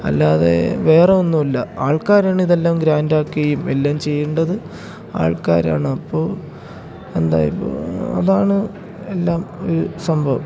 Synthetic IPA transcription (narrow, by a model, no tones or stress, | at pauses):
ɐ̰lːaðḛʋe̞ːreonːumɐlːɐaːɭkaːɾaːɳiðe̞lːaːmɡɾaːndaːkːiɐjume̞lːaːmt͡ɕe̞jːuɳɖɐðɨ | a̰ːɭka̰ːɾa̰ːɳɨɐpːoː | e̞nd̪a̰ːjɐpːo̰ɐ̰ðaːɳɨ | elːaːmo̞̰ɾusɐmbʱɐʋ